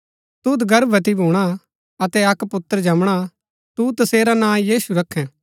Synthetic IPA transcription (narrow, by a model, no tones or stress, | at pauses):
t̪ut̪ɡɐɾbət̪ibʱuːɽ̃a | ɐt̪ɛɐkpʊt̪ːəɾd͡ʒɐmɽ̃a | t̪ut̪ɐseːɾanãːjiːsuɾɐkʰːɛ̃